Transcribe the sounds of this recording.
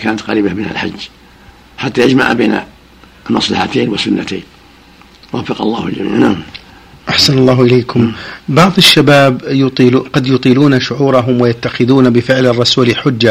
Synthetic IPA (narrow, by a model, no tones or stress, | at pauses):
kaːnat̪qɑɾiːbamɪnha̰lħa̰d͡ʒː | ħat̪ːajad͡ʒma̰ʕbeːna̰ | lmɑsˤlɑ̰ħat̪eːnwɪsʊnːat̪ḛːn | wafːɑqɑlˤːɑːhɪld͡ʒmḭʕnam | ʔaħsanɑlˤːɑːɦʔɪleːkʰʊmbɑʕðˤɪʃːabaːbjʊt̪ˤiːlːqɑd̪jʊt̪ˤiːluːnaʃʊʕuːɾˤɑɦʊmwɪjat̪ːaxɪðuːnabɪfɪʕlɑrˤːɑsuːlħʊd͡ʒːa